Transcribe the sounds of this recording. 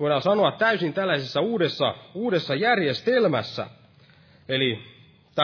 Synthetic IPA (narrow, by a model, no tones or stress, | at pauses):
oiɾɑːnsɑnoɑt̪t̪æysint̪ælːæisesːæuːdesːɑuːdesːɑjærjest̪elmæ̰sːæ̰ | eli | t̪æ